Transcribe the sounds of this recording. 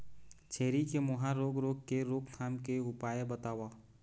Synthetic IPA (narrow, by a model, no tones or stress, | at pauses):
t͡ʃʰeːɾikemʊɦãɾoːɡɾoːɡ̚keɾoːkt̪ʰaːmkeʊpaːjebət̪aːwaː